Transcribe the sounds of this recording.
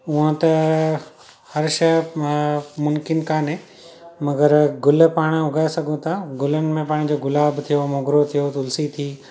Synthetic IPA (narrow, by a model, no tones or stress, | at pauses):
uɦə̃t̪ɐ | hɐɾʃɐ | mʊmkɪnkaːnɦẽ | mɐɡəɾɡʊlpaːɽ̃ʊɡʱaːesɐɡʱũt̪ʰaɡʊlənɪ̆mẽpaːɽ̃id͡ʑoːɡʊlaːbt̪ʰijomoːɡɾot̪ʰijot̪ʊlsit̪ʰiː